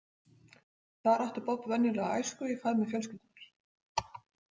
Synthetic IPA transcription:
θaðɾaht̪ʏɾpɔt̪vɛnːɪlɛɣaajskʏifaðmɪfjœlscɪlt̪ɪnaɾ̥

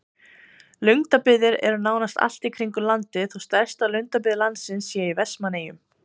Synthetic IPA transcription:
lʏɥŋt̪apɪðɪɾɛ̰ɾʏnaːwnast̪a̰l̥t̪ikʰɾiŋkʏlant̪ɪθust̪ɛɾ̥st̪alʏŋt̪apɪðɪlant̪sɪnsːjɛivɛsmaneːjʏm

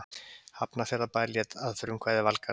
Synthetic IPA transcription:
hapnafjɛɾapaːjɾljɛt̪aðfʏɾʏmkʰvaːjðɪvalka

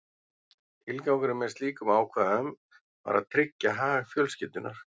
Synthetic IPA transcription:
ɪlkaːwkʏɾɪmːɛ̥st̪liːkʏmaːwkʰvaːðœm | va̰ɾa̰ðt̪ʰɾɪcːaɦaːɣaɣfjœːlscɪt̪ʏnʔa̰ɾ̥

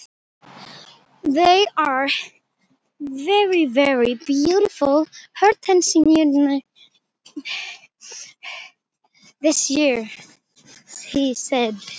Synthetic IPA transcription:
ðeɪə˞ | vɛɹivɛɹibjuɾɨfəl̩ˠhɜ˞tʰɛ̃nsɪ̃ŋən | ðɪsjɪɹ | hisɛd̚

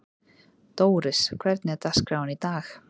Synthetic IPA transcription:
d̪̥owɾɪskʰwɛɾd̪nɛd̪askɾawnid̪aːx

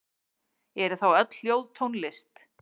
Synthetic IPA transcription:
ɛɾʏθawœt̪lljowðt̪ʰownlɪst̪

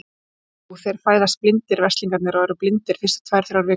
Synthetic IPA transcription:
ɔɣθejɾ̥faːjðast̪̚plɪnt̪ɪɾvɛst̪liŋkat̪nɪɾɔɛɾʏplɪnt̪ɪɾ̥fɪ̥st̪ɪ̥t̪ʰvaːjɾ̥θɾawɾvɪː

